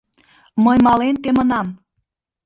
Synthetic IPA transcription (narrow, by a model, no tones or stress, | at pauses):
mɤjmɑlent̪emə̆nɑm